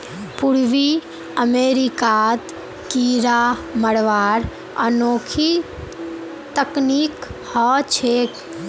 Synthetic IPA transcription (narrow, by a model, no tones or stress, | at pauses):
puɾʋi | əmeɾikat̪ | kiɾaməɽʋaɾ | ə̰noːkʰi | t̪əknikhɔt͡ʃʰek